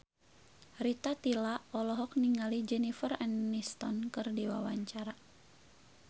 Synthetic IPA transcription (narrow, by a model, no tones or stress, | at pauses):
rit̪at̪ilaɔlɔɦɔk̚niŋalid͡ʒɛnifərɛnːist̪ɔnkɨrdiwawaɲt͡ʃaɾa